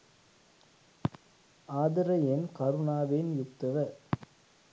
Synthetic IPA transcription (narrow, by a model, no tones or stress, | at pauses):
aːðɪɾɐjenkɐɾʊnaːʋeːnjʊk̚t̪ːɐʋɐ